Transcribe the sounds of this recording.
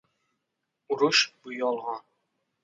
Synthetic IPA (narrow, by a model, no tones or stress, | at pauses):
uɾuʃbujɑlˠʁɑ